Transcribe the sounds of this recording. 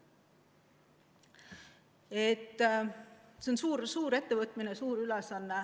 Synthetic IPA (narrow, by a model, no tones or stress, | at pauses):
et̪ː | seonsuːɾsuːɾe̞t̪ːe̞vɤt̪ːˑminesuːɾylesɑnːe